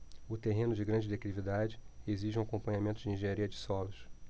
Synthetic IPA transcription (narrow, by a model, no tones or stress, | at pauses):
ʊt̪eɦẽnʊd͡ʒɪɡɾɐ̃nd͡ʒɪd̪ekɾivid̪ad͡ʒɪeziʒ̃akõmpɐ̃ɲamẽnt̪ʊd͡ʒɪĩʒẽɲaɾiɐd͡ʒɪsɔlʊs